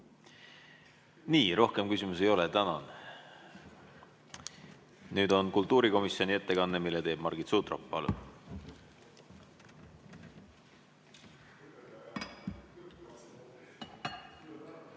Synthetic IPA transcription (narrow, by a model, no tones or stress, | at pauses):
niːɾo̞hke̞mkysimus̬e̞jo̞let̪ænɑn | nyːd̪o̞nkult̪ːˑuːɾiko̞misjio̞nie̞t̪ːe̞kɑnːemilːet̪e̞ːb̥mɑrɡit̪suːt̪ro̰pːˑɑ̰lṵ